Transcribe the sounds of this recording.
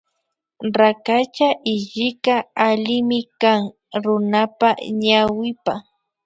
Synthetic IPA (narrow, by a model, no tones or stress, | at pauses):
ɾakat͡ʃaʔɪʎɪkaalɪmɪkaŋ | ɾʊnapaɲawɪpa